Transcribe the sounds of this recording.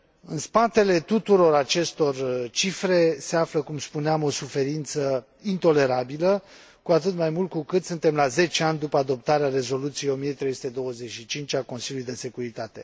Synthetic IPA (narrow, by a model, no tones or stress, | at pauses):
ɨnspat̪e̞le̞t̪ut̪uɾo̞ɾat͡ʃe̞st̪o̞rt͡ʃifɾe̞se̞afləkumspuneamo̞sufe̞ɾint̪sə | int̪o̞le̞ɾabilə | kuat̪ɨt̪majmult̪̚kukɨt̪sɨnt̪e̞mlaze̞t͡ʃeanʲd̪upəad̪o̞p̚t̪aɾeare̞zo̞lut̪sijeo̞mijet̪ɾejsu̥t̪e̞d̪o̞wəzet͡ʃʃit͡ʃint͡ʃako̞nsilʲjulujd̪e̞se̞kuɾit̪at̪e̞